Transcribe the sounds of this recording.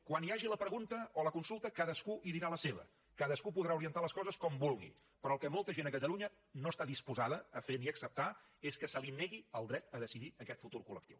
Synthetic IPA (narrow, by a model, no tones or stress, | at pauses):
kwaniaʒiləpɾəɣunt̪əoləkunsulˠt̪əkaðəskuʔiðiɾaləseβə̰ | kaðəskupuðɾauɾiənt̪aləskɔzəskɔmbulˠɣḭ | pɾɔəlˠkɛmɔlˠt̪əʒenəkət̪əluɲə | noəst̪aðispuzaðəːfeniəksəp̚t̪a | eskəsəlinːeɣiəlˠd̪ɾɛt̪əðəsiðiəkɛt̪fut̪uɾkulə̰k̚t̪iw